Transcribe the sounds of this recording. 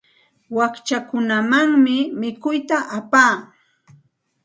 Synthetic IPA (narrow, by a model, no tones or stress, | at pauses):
wakt͡ʃakʊnamaŋmɪmɪkʊjt̪aʔapaː